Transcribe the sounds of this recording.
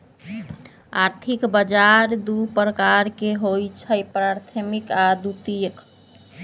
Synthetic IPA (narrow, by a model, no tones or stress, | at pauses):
aɾt̪ʰikbəd͡ʒaɾd̪upɾəkaɾkeɦojt͡ʃʰəjpɾaɾt̪ʰəmikad̪ut̪ijək